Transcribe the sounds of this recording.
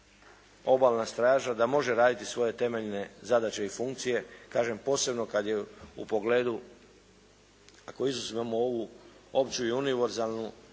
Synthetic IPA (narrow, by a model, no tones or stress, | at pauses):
o̞balˠnast̪ɾaːʒad̪amo̞ʒeɾaːd̪it̪isʋo̞je̞t̪e̞me̞ʎne̞zad̪at͡ɕe̞ifuŋkt̪sije̞kaːʒe̞mpo̞ːse̞bno̞kad̪je̞ṵpo̞ɡle̞ːd̪u | ako̞izusimamooʋuo̞pt͡ɕuiuniʋe̞ɾzalˠnu